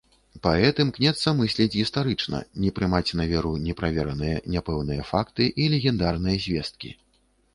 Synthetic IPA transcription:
paɛt̪ɨmknʲɛt̪sːɐmɨsʲlʲɛd͡zʲɣʲist̪aɾɨt͡ʂnɐ̰nʲɛpɾɨmat͡sʲnɐvʲɛɾunʲɛpɾavʲɛɾɐnɨjɐnʲɛpɛwnɨjɐfakt̪ɨʔilʲɛɣʲɛnd̪arnɨjɐzʲvʲɛst̪̚kʲḭ

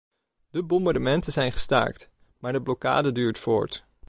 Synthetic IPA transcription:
d̥əbɔmbaɹdəmɛntənzɛjnχə̥sta̰ːɹkt | maːɹdəblɔka̰ːdədyːɹtfʊ̰ːɹt

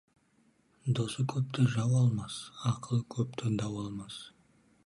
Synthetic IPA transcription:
d̪osəkʲʰɵp̚t̪ɪʒɑwɑlˠmɑsɑqʰəlˠəkʲʰɵp̚t̪ed̪ɑwɑlˠmɑs

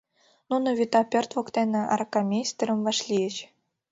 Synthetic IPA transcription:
nunŏvʲit̪ɑpʲørt̪vŏkt̪enɘ̆ɑ̰rkamʲesʲt̪ʲɘ̆ɾɤ̆mvɑʂlʲijɘ̆t͡ɕ

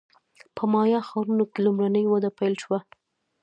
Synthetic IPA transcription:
pʰəmɑjɑxɑɾunokelumɾanəjwad̪apajlʃwa

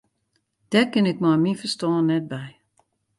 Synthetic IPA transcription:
d̥ɛkɪnɪk̚mɔmifəstɔːnɛt̚bɛj

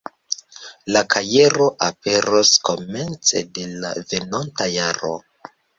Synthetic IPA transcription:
lakʰaje̞ɾo̞ʔape̞ɾosko̞me̞nt͡se̞̰de̞la̰ve̞nontajaɾo̰

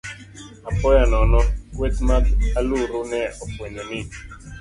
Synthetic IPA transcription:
apɔjanɔnɔkwet̪mataluɾunɛɔpwenɛnɪ

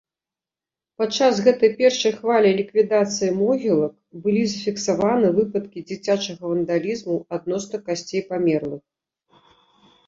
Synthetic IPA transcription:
pat͡ʂːazɣɛt̪ɐjpʲɛrʂɐjxvalʲilʲikvʲid̪at̪sɨjimɔɣʲilˠɐk̚ | bɨlʲizɐfʲiksavanɨvɨpɐt̪kʲid͡zʲit͡sʲat͡ʂɐɣɐvɐnd̪alʲizmuad̪nɔsnɐkasʲt͡sʲejpamʲɛrlˠɨx

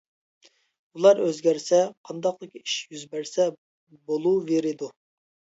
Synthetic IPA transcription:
ulˠɑɾøzɡʲæɾsɛqʰɑnd̪ɑqlˠɨkʲi̥ʃjyzbæɾsɛ | bolˠuveɾɪd̪u

